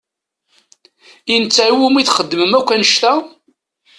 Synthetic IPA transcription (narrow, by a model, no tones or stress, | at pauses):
int͡sːæwumiθχəd̪ːməmækʷːænəʃt̪æ